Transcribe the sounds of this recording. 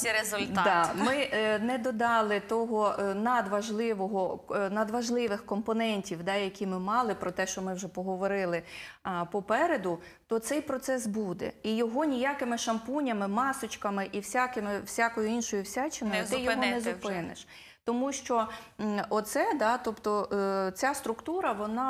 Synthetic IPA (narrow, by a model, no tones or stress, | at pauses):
ɾezʊlʲt̪dd̪ɑmɪnɛd̪ɔd̪ɑlˠɪt̪ɔɦɔnɐd̪ʋɐʒlˠɪʋɔɦɔnɐd̪ʋɐʒlˠɪʋɪxkɔmpɔnɛnʲtʲiwd̪ɑjɐkʲimɪmɑlˠɪpɾɔt̪ɛʃt͡ʃɔmɪwʒɛpɔɦɔʋɔɾɪlˠɪpɔpɛɾed̪ʊ | t̪ɔt̪sɛjpɾɔt̪sɛsbud̪ɛ̰ijɔɦɔnʲijakɪmɪʃɐmpunʲɐmɪmɑsɔt͡ʃkɐmɪʔiwsʲakɪmɪwsʲakɔjʊinʃɔjʊwsʲat͡ʃɪnj̪jɔɦɔnɛzʊpɪnɪ̰ʃ | t̪ɔmuʃt͡ʃɔ | ɔt̪sɛd̪ɑt̪ɔpt̪ɔt͡sʲast̪ɾʊkt̪uɾɐʋɔnɑ